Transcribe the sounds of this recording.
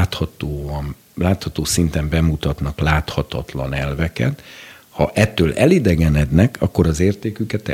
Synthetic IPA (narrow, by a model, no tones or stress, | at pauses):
t̪hɒt̪oːm | laːt̪hɒt̪oːsint̪ɛmbɛmut̪ɒt̪nɒklaːt̪hɒt̪ɒt̪lɒnɛlvɛkɛ̰t̪ | hɒʔɛt̪ːøːlʔɛlid̪ɛɡɛnɛd̪nɛkʰɒ̰kːo̞ɾɒzeːrt̪eːkykɛt̪ɛ̰